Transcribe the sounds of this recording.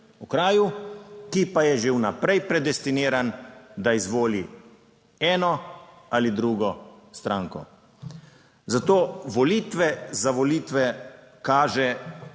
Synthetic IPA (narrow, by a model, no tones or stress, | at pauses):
ukɾaːjukipajɛʒewnapɾɛjpɾɛd̪ɛst̪iniːɾand̪aizʋoːli | ɛːnɔ | alid̪ɾuːɡɔst̪ɾaːŋkɔ̰ | zat̪oːʋɔliːt̪ʋɛzaʋɔliːt̪ʋɛ | kaːʒɛ